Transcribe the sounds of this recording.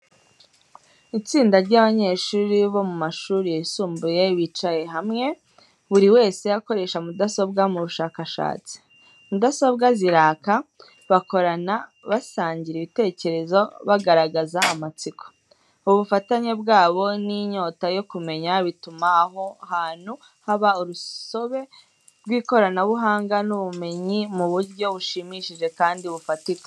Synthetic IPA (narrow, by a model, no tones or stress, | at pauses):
it͡siːndaɾɟaβaɲe̞ːʃuːɾiβo̞mumaʃuːɾijeisuːmbuje̞βit͡ʃaje̞ɦamŋe̞ | βuɾiwe̞ːse̞jako̞ɾe̞ːʃamudaso̞bɡamuβuʃaːkaʃa̰ːt͡si̥ | mudaso̞bɡaziɾaːka | βako̞ɾanaβasaːɲɟiɾiβite̞ːce̞ɾe̞zo̞βaɡaɾaɡazaːmat͡siko̥ | uβufataɲe̞bɡaːβo̞niɲo̞ːtajo̞kume̞ɲaβitumaɦo̞ahaːn̥hu | haβauɾuso̞βe̞ | ɾɡwiːko̞ɾanaβuɦaːŋɡanuβume̞ɲimuβuɾɟo̞βuʃimiʃiʒe̞kaːndiuβufatik